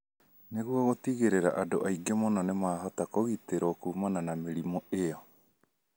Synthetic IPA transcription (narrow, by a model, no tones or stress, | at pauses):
neɣuaɣotiɣeɾeɾa̰ʔado̰ʔaiɡemonɔnemaːɦatakoɣiteɾɔkuːmananameɾimɔeɔ